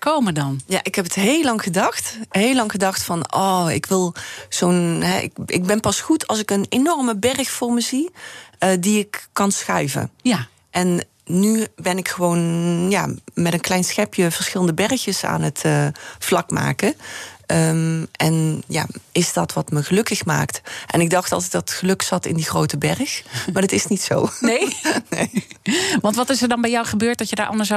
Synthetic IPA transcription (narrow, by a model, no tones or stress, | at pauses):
kowmədɑnja̰ːʔɪkɦɛpətɦeːlɑŋɣədɑxtɦeːlːɑŋɣədɑxtfɑnɔːɪ̰kʋɪlˠz̥onɦɛ̰ʔɪ̰kɪ̰ɡ̚bɛnpɑsxutʰɑlˠsɪkənenɔrməbɛrxfʊːɹməzi | diɪkːɑnsxœ̰ɥvə̰n | ʔɛnː | ybɛnɪkxəʋownja̰ːmɛtənklɛjnsxɛpjəv̥əɹsxɪlˠəndəbɛrxjəsa̰ːnɦətəflɑkma̰ːkəəmɛnja̰ːɪsdɑtʋɑtməɣəlɵkəxma̰ːktʔɛnɪɡ̚dɑxtɑ̰lˠtɛdɑttxəlɵksɑtɪ̰ndiχrowtəbɛrxmaːɹdətɪsnitso̰wnejnejʋɑntʋɑtɪsəɹdɑnbɛjɔwχəbøːɹt̚dɑtjədaɹʔɑ̰ndəɹs